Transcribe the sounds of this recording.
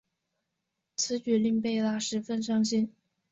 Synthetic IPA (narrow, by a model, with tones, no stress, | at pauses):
t͡sʰɹ̩˧˥t͡ɕy˨˩li˥˧ŋpe˥˧ɪla˥˩ʂɻ̩˧˥fə˥˧nʂɑ˥ŋɕi˥n